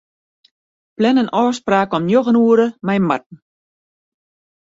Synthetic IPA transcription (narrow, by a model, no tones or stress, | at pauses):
plɛnənɔːspraːkɔmnjoɣənuəɾəmɛjmat̚n̩